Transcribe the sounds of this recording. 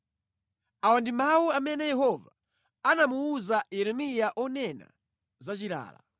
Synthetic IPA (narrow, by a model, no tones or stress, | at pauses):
awandimawuamɛnɛjɛhɔva | anamuuzajɛɾɛmijaʔɔnɛna̰ | zat͡ʃiɾa̰ːla̰